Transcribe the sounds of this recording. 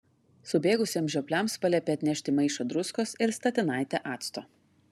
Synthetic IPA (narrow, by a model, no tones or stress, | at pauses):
sʊbʲeːɡʊsʲeːmʒʲoɔpʲlʲɛˑmspɐlʲɛpʲeːɐt̪ʲnʲɛʃʲt̪ʲɪmɐɪʃoːd̪ɾʊskoːsɪɾst̪ɐt̪ʲɪnɑɪt̪ʲɛʔɑːt̪st̪oː